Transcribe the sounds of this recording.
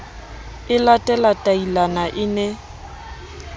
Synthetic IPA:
ɪlatʼɛlatʼailanaʔɪnɛ

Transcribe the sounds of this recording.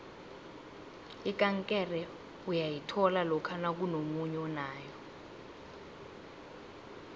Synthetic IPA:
ikʼaŋkʼɛrɛ | ujajitʰɔlalɔkʰanak̬unomuɲɛɔnaːjɔ

